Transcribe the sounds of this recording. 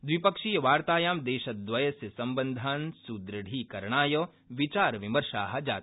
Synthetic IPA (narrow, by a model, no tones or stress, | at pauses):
d̪ʋipɐkʃiːjɐʋaːɾt̪aːjaːmd̪eːʃɐt̪̚d̪ʋɐjɐsjɐsɐ̃mbə̃nd̪ʱaːnsud̪ɾɐɽ̤ʱiːkɐɾɳ̃aːjɐ | ʋɪt͡ʃaːɾʋɪmɐɾʃa̰ːɦɐ̆d͡ʒaːt̪